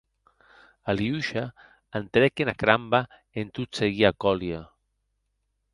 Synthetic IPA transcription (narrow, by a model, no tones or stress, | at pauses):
aliuʃa | ant̪ɾɛkenakɾamba | ent̪ut̪seɣiakɔlja